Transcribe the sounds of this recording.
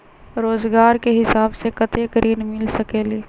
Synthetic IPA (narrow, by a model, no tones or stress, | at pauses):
ɾoːzɡaːɾkeɦɪsaːbsekət̪ekɾʔiːnmɪlsəkeːliː